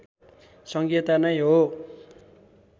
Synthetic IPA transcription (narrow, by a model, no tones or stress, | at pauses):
sʌŋɡet̪anʌjɦo